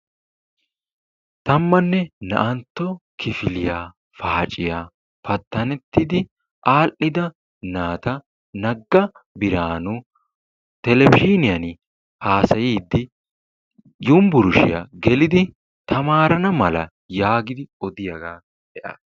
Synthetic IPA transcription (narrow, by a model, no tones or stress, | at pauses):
t̪ɐmːɐnːɛnɐ̰ʔɐnt̪ːɔkʰɪfɪlɪjaː | faːt͡ʃʼɪjaː | fɐt̪ːɐnɛt̪ːɪd̪ɪ | ʔaːlʔɪd̪ɐ | naːt̪ɐ | nɐɡːɐ | bɪɾaːnʊ | t̪ɛlɛbɪʃinɪjɐn | haːsɐjiːd̪ːɪ | jʊmbʊɾʊʃɪ̰ja̰ɡɛlɪd̪ɪ | t̪ʰɐmaːɾɐnɐmɐlɐ̰ | jaːɡɪd̪ɪɔd̪ɪjɐɡaː | dɛʔɐ̰